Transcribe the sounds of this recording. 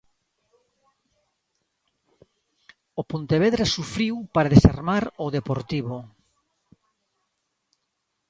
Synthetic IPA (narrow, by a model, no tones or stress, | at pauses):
opont̪eβ̞eðɾasufɾiwpaɾaðesa̰ɾmaɾoðepoɾt̪iβo